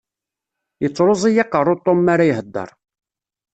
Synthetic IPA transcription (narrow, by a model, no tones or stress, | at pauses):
jət͡sːɾozˤijɑqːəɾˤʊt̪ˤːomːaɾajɦəd̪ːə̰ɾˤ